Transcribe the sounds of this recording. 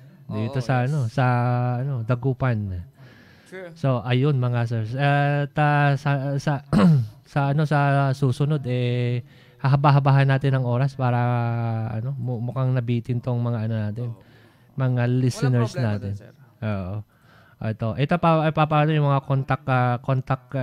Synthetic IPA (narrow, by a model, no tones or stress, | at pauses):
d̪iːt̪o̞sɐʔɐno̞sɐɐno̞d̪ɐɡupɐn | so̞ʔɐjonmɐŋasɛɹat̪ɐsɐsɐ | sɐʔɐno̞sɐsuːsʊno̞d̪ɛ | hɐɦɐbaɦɐbaːɦɐnːaːt̪ɪnːɐŋʔo̞ːɾɐspaːɾɐʔɐ̰no̞mmʊkaŋnɐbiːt̪ɪnt̪oŋmɐŋaʔɐno̞naːt̪ɪn | mɐŋalisɪnɛɹsnaːt̪ɪnʔoːʔo | ʔoʔɛt̪o̞ʔɛt̪opɐʔɐjpɐpaːno̞jʊŋmɐŋakont̪ɐkakont̪ɐk̚